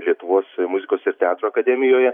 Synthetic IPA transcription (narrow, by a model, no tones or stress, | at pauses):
lʲiɛt̪ʊʋoːsmʊzʲɪkoːsɪɾt̪ʲɛɑːt̪ɾoːɐkɐd̪ʲɛmʲɪjoːjɛ